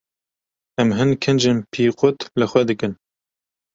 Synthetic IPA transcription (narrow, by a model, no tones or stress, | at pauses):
ɛmɦɨnkʰɨnd͡ʒenpʰiːqʊt̪lɨxʷɛd̪ɨkɨn